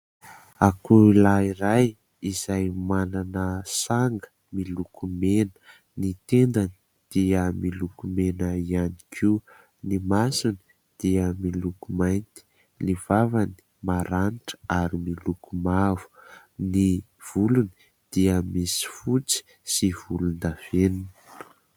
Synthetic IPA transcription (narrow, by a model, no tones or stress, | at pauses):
akulaiɾaj | iz̥ajmananəsaŋɡə̥ | milukʰumenə̥ | nit̪end̪ani̥ | d̪̥iəmilukumenəianikʰiu | nimasuni̥ | d̪̥iəmilukumajnt̪i̥ | liv̥avani̥ | maɾanʈ͡ʂə̥aɾimilukumavu̥ | ni | v̥uluni̥ | d̪̥iəmisi̥fut͡si̥ | siv̥ulund̪av̥enun